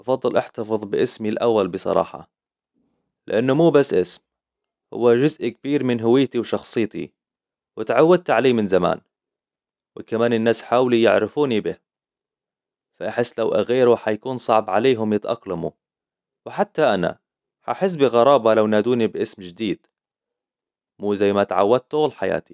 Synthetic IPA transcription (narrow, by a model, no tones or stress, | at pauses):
ʔɑfɑd̪ˤːɨlʔaħt̪ɑfɨðˤbɪʔɪsmilʔawːalbɨsˤɑ̰ɾˤɑ̰ːħɑ̰ | lɪ̰ʔanːʊmuːbasːʔɪsm | hʊ̰wːaʒʊzʔk̚biːɾmɪnɦʊwɪjːt̪iwʃɑxsˤɨːt̪ḭ | wɪt̪ʕawːad̪̚t̪ʕaleːmɪnzama̰ːn | wɪkamaːnɪnːaːsħaːwlijɪ̰ʕɾɪfuːnibɪh | faʔaħɪsːlawʔa̰ɣeːɾuħajkuːnsˤɑʕbʕa̰leːɦʊmjɪt̪ʔɑ̰qlamu | wɪħat̪ːaʔana̰ | ħaʔaħɪs̬ːbiɣɑɾˤɑːbalawnaːd̪uːnibʔɪsmd͡ʒɪd̪iːd̪̥ | muːzajːmat̪ʕa̰wːad̪̚t̪ʊlħaja̰ːt̪i̥